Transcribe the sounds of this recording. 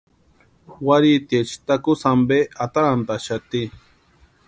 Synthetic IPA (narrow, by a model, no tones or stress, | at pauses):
waɾit̪jet͡ʃi̥t̪akusambeat̪aɾant̪aʃat̪i